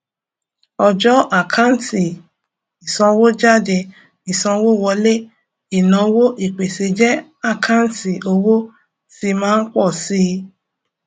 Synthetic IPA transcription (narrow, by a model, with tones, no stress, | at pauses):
ɔ˧d͡ʒɔ˦ʔa˦˨kʰa˦n˦ti˨ | i˨sɔ̃˧wo˦d͡ʒa˦˨de˧ | i˨sɔ̃˧wo˦˨wɔ˧le˦ | i˨nã˨˦wo˦ʔi˨k͡pe˨se˧d͡ʒɛ˦ | a˦˨kʰã˦n˦ti˨o˧wo˦ | ti˧mãː˦n̩˦k͡pɔ˦˨si˦